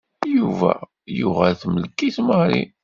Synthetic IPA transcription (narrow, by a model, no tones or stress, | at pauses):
juvæ̰ | jʊʁæθməlkːiθməɾḭ